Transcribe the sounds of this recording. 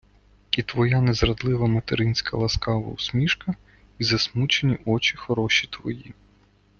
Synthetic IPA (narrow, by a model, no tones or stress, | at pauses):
it̪ʋɔjanɛzɾɐd̪lˠɪʋɐmɐt̪eɾɪnʲsʲkʰɐlˠɐskɑʋɐ̰usʲmʲiʃkɐ | izɐsmut͡ʃenʲiʔɔt͡ʃʲixɔɾɔʃit̪ʋɔji